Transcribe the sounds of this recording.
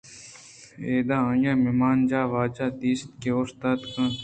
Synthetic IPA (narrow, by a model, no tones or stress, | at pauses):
eːd̪aːãːjãːmimaːnd͡ʒaːʋaːt͡ʃaːt̪iːst̪keost̪aːt̪kɐ̃